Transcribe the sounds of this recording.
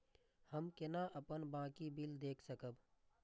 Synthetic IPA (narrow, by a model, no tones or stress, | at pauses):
həmkɪnaʔəpənbãːkibild̪eːkʰsəkəb